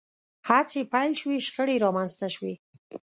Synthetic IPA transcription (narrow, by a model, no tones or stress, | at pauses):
haɾt͡sepajlʃwiʃxəɽeɾɑmanzt̪aʃwi